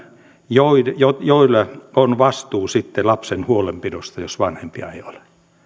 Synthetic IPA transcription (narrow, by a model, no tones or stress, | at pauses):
joijojoilːɑonʋɑst̪uːsit̪ːelɑpsenhuolempidost̪ɑjosʋɑnhempiɑ̰eiole